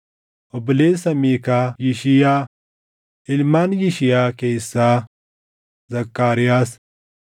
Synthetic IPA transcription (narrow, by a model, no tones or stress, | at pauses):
ɔblesɐmikajiʃɪja | hɪlmanjiʃɪjakejsa | zɐkːaːɾɪjas